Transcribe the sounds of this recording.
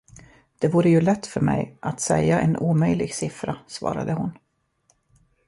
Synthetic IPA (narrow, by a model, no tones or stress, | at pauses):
d̪̥ɛvuːɾəjɵlɛt̪ːfœɾmɛjʔat̪sɛjːaʔɛnʔuːmœjlɪɡsɪfɾasvɑ̰ːɾad̪əhʊn